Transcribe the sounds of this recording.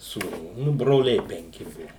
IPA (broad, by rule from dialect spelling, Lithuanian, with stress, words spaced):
suːˈnuː nʊ broːˈlʲɛɪ pʲɛŋʲˈkʲɪ ˈbʊʋʊ